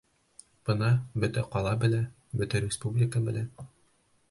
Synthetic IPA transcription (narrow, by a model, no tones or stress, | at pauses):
b̥ɤnɑbɵ̆t̪æqɒlˠɑbɘ̆læ | bɵ̆t̪æɾʲɪspublʲɪkəbɘ̆læ